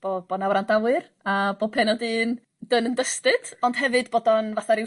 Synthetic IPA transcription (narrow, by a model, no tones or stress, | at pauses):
b̥ob̥onawɾandawɨr | aboːpʰɛnɔdɨːn | dənəndəstɨd̥ɔnd̥ɦɛvɨdboːdɔnvaθaɾɪ